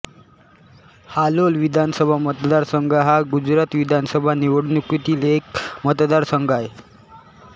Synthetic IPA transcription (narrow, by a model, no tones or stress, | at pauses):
halolʋid̪ʱansəbʱamət̪d̪aɾsəŋɡəɦaɡud͡zɾat̪ʋid̪ʱansəbʱaniʋəɽnukut̪iːlekmət̪d̪aɾsəŋɡaje